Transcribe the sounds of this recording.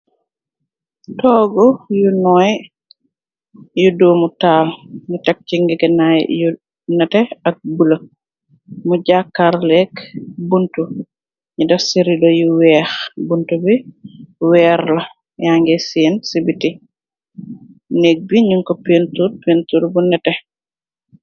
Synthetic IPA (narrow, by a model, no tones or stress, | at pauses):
tɔːɡɔjunɔj | juduːmutaːlɲutek̚t͡ʃiŋɡiɡɛnaj̰ju | nɐtɛɐk̚bula | muɟakːaɾlɛkbuntu | ɲidɐfsiɾidojuwɛːxbuntubi | wɛːɾlɐ | jaŋɡɛsiːnsibiti | nek̚biɲuŋkopentud̚pentuɾbunɛtɛ